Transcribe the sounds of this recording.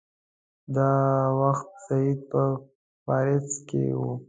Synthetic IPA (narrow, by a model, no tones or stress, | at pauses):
d̪ɑwaxt̪̚said̪̚pə | fɑɾɪskḛwṵ